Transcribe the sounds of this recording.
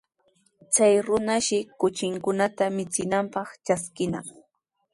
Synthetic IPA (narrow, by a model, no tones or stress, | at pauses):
t͡sajɾʊnaʃɪkʊt͡ʃɪŋkʊnat̪amɪt͡sɪnampɑχt͡ʃaskɪna̰ŋ